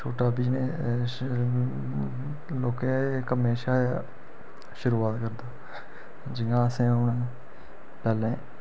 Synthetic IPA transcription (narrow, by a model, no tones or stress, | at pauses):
t͡ʃʰoːʈaːbiːneː | loːkẽːkəmeːʃaːjaː | ʃʊɾuːaːt̪kəɾd̪aː | d͡ʒɪŋɡãːəsẽːʊne | pɛːlẽː